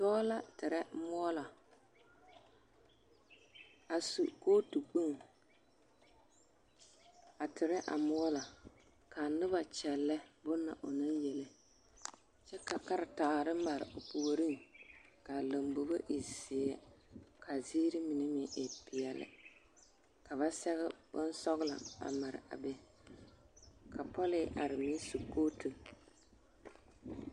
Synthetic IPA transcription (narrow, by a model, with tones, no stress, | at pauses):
tɔ˦la˦tɪ˨ɾɛ˦mɔ˦la˨ | a˨sṵ˨koː˦tu˨k͡pu˦ŋ | a˨tʰɪ˨ɾɛ˦ʔa̰˨mɔ˦la˨ | ka˨nʊ˦βa˨t͡ʃɛ˨lːɛ˦bʊ˦nːa˨ʔʊ˨na˦njɛ˨lɪ˨ | t͡ʃɛ˦ka˨ka˦ɾɪ˨taː˨ɾɨ˦m˦ma˨ɾɪ̰˨ʔʊ˨pu˨ɾi˦ŋka˨la˨mbo˨ba˦ʔi˨si˨ɛ˦kʰa˨ziː˦ɾɪ˦mɪ˨nɛ˦mɪ˦ʔe˨pɪ˨ɛ˨lɪ̰˨ | ka˨βa˦sɛ˦ɣɛ˦b̥ʊ̰˦n˦sɔ˦ɣla̰˨ba̰˨ma˨ɾɪ̰˨a̰˨bɛ˦ | kʰa˨pɔ˦lɪ˦ʔa˨ɾɪ˨mi˦su˨koː˦tɨ˨